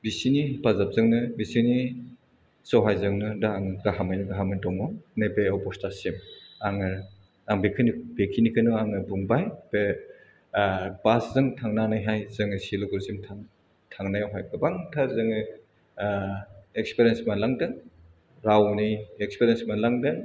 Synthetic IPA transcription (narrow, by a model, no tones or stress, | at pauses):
bisinipazap̚zɯŋnɯbisini | sɔwɦajzɯŋnɯdaːŋɡaɦamajnɯɡaɦamɯndɔŋɔnebeɔwpɔstasimaŋɯɾ | aŋbekʰɯnibekʰinikʰɯnɔaŋɯbuŋbajbe | baszɯŋtʰaŋnanajɦajzɯŋɯsiloɡuɾzimtʰaŋ | tʰaŋnajawɦajkɯbaŋtʰaɾzɯŋɯ | ekspɾiensmalaŋdɯŋ | ɾawniekspeɾjensmalaŋdɯŋ